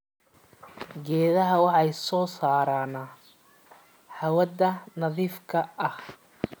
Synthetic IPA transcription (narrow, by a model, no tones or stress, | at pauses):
ɡɛːðɐɦɐwɑħɑjsɔːsaːɾaːnɐ | ħɐwɐd̪ɐnɐðiːfkʰɐʔɐh